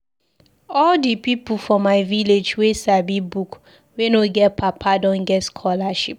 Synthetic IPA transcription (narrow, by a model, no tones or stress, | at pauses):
ɔldipipufɔ̃mːaɪviled͡ʒwesabibuk | wenoɡɛtpʰapʰadɔ̃nɡɛtskʰɔlaʃip̚